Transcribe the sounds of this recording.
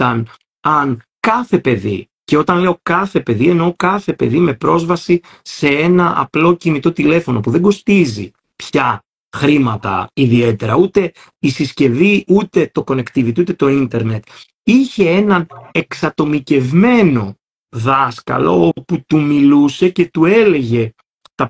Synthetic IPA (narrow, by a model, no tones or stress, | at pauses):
ɐn | ɐnkɐθe̞pe̞ðḭ | ce̞o̞t̪ɐnle̞o̞kɐθe̞pe̞ðie̞no̞kɐθe̞pe̞ðime̞pɾo̞zvɐsi | se̞e̞nɐʔɐ̰plo̞cinit̪o̞t̪ile̞fo̞no̞puðe̞ɡo̞st̪izḭ | pçɐ | xɾimɐt̪ɐ̰iðie̞t̪e̞ɾɐut̪e̞ | isisce̞viut̪e̞t̪o̞ko̞ne̞kt̪ivit̪iut̪e̞t̪o̞int̪e̞ɾne̞t̪ | içe̞e̞nɐne̞ksɐt̪o̞mice̞vme̞no̞ | ðɐskɐ̰lo̞̰oput̪umiluse̞ce̞t̪ue̞le̞ʝe̞ | t̪ɐ